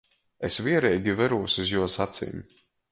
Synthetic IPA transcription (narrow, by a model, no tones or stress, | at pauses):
esvʲiɛɾɛjɡʲivɛɾuːsuzjuɔsat̪sḭːm